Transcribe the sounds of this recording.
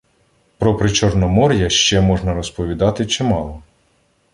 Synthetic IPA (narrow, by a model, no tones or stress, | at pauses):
pɾɔpɾɪt͡ʃɔrnɔmɔɾʲjɐʃt͡ʃɛmɔʒnɐɾɔspɔʋʲid̪ɑt̪ɪt͡ʃɪmɑlˠɔ